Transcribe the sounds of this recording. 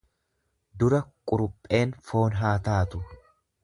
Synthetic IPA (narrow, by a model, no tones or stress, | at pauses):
d̪ʊɾɐkʼʊɾʊpʼːe̞ːnfo̞ːnɦaːt̪aːt̪ʊ